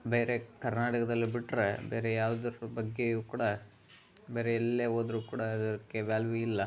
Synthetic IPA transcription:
be̞ːɾe̞kɐɾnaːʈɐkɐd̪ɐlːibiʈːɾebeːɾejaːʋd̪ɐɾubɐɡːe̞juːkuːɽɐ | beːɾeɛlːeːɦoːd̪ɾuːkuːɽɐid̪ɐɾkːeʋaːlʋiilːɐ

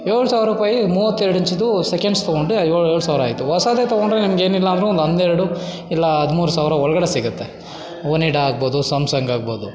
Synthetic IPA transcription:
eːɭusaːʋɾɐɾuːpaːjimuːʋɐt̪ːeɾɽiɲt͡ʃid̪usekeɳɖst̪oɡoɳɖujoːɭeːɭusaːʋɾaːjt̪ːuʋɐsaːd̪et̪ɐɡoɳɖɾenimɐɡe̞ːnilːɐːnd̪ɾeond̪ɐnd̪eɾɐɽu | ilːɐɦɐd̪muːɾusaːʋɾɐɔɭɐɡɐɽesiɡɐt̪ːe | ʋoniʈɐaːɡ̚boːd̪usɐmsɐŋɡaːɡ̚boːd̪u

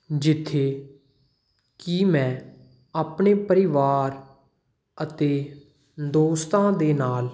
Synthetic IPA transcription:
d͡ʒɪt̪ʰːeː | kimɛ̃ː | aːpɳeːpəɾɪʋaːɾ | ət̪eː | d̪oːst̪ãːd̪eːnaːl

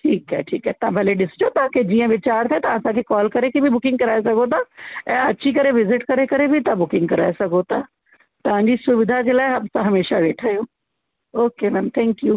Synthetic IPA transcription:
ʈʰiːkɦɛ̰ʈʰiːkɦɛːt̪ãbʱɐleɖɪsd͡ʒot̪ãːked͡ʒiːãʋɪt͡ʃaːɾt̪ʰet̪aəsãkʰekɔːlkɐɾekibʱibʊkɪ̃ŋɡ̚kɐɾaːesɐɡʱot̪aɛ̃ːɐtːʃʰikɐɾeʋɪzɪʈkɐɾekɐɾebʱit̪ãbʊkɪ̃ŋɡ̚kɐɾaːesɐɡʱot̪a | t̪ɐʋ̤ãːɲd͡ʑisʊʋɪd̪ʱakelaːeɦɐpsãɦɐmeːʃaʋeːʈʰaːjõː | oːkemɛ̃nt̪ʰɛ̃ːŋkjuː

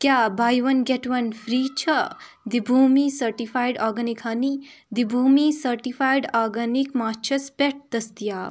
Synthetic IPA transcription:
kjabʱajʋɐnɡeʈʋɐnfɾiːt͡ʃʰɐ | d̪ibʱuːmisɐɾʈifʰaːjɖaːɾɡɐnikʰɦanid̪ibʱuːmisɐɾʈifʰajɖaːɾɡɐnikmaːt͡ʃʰɐspeʈ̚d̪ɐst̪ijaː

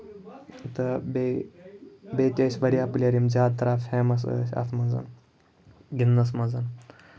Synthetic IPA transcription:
t̪ɐbe | beːt̪ʲɐsʲʋɐɾiaplʲɐɾimd͡ʒaːt̪ːɐɾaːfeːmɐs̬ə̰sʲɐ̰t̪ʰmɐzɐ̰n | ɡʲinːɐs̬mɐzɐn

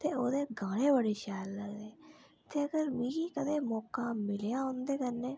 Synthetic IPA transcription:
t̪eːoːd̪eːɡaːɽẽːbəɽeːʃaːlːəɡd̪eː | t̪eːəɡəɾmiːɡiːkəd̪eːmɔːkaːmɪlejãːõːnd̪eːkənːeː

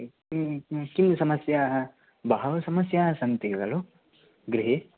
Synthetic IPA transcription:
kimsɐmɐsjaːɦɐ | bɐɦɐʋɐsɐmɐsjaːɦɐsɐnt̪iʋɐloː | ɡɾiɦe

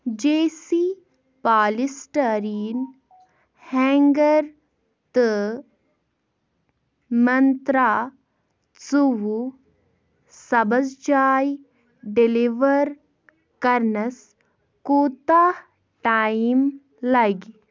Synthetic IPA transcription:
d͡ʒeːsi | paːlisʈəɾiːn | hɛ̃ːŋɡɐɾ | t̪ɨ | mɐnt̪ɾaː | t͡suwu | sɐbɐd͡zd͡ʒaːj | ɖiliʋɐɾ | kɐɾnɐs | kuːt̪aːh | ʈaːim | lɐɡ

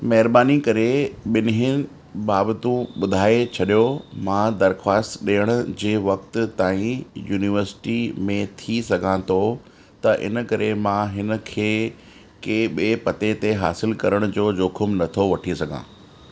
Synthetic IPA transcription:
mɐɦɪɾbaːnikɐɾeɓɪnɦɪ | ɓaːbt̪ũɓʊd̪ʱaːet͡ɕʰɐɗijomãd̪ɐɾxwaːst̪ɗijəɽ̃ʊd͡ʑeːʋɐkt̪t̪aːĩjuːnɪʋəɾsɪ̥ʈimẽt̪ʰisɐɡʱãt̪ʰo | t̪ɐʔɪ̰nə̆kɐɾemãɦɪnə̆kʰeː | keɓiepɐt̪et̪eɦa̰ːsɪlkɐɾəɽ̃ʊd͡ʑoːd͡ʑoːkʰʊmnɐt̪ʰoʋɐʈʰisɐɡʱã̰ː

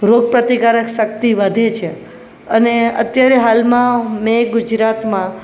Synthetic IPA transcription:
ɾoɡ̚pɾət̪ikaɾəkʃək̚t̪iʋəd̪ʱet͡ʃʰe | əneə̰t̪jaɾeɦalmãmeɡʊd͡ʒɾat̪mã

